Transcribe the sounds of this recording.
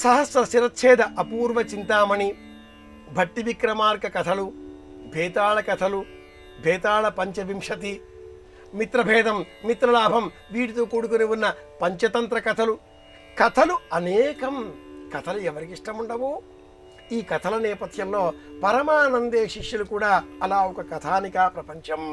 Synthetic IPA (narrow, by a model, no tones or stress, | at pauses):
sɐɦɐsɾɐsiɾɐt̪ːt͡ʃʰeːd̪ɐʔɐpuːɾʋɐt͡ʃint̪aːmɐni | bʱɐʈːiʋikɾɐmaːɾkɐkɐt̪ʰɐlu | bʱɛːt̪aːɭɐkɐt̪ʰɐlu | bʱɛːt̪aːɭɐpɐɲt͡ʃɐʋimʂɐt̪̬i | mit̪ɾɐbʱɛːd̪ɐmːit̪ɾɐlaːbʱɐm | ʋiːɽit̪oːkuːɽukuniʋunːɐpɐɲt͡ʃɐt̪ɐnt̪ɾɐkɐt̪ʰɐlu | kɐt̪ʰɐluɐnɛːkɐmkɐt̪ʰɐluɛʋɐɾikiʂʈɐmuɳɖɐʋoː | iːkɐt̪ʰɐlɐnɛːpɐt̪ʰjɐmlo̞ːpɐɾɐmaːnɐnd̪eːʃiʂjulukuːɽaːɐlaːɔkɐkɐt̪ʰaːnikaːpɾɐpɐɲt͡ʃɐm